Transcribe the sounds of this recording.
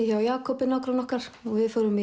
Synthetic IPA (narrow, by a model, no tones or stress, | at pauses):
çawjaːkʰɔpɪnɔhkɾanɔhkaɾ̥ɔɣvɪðfœɾʏm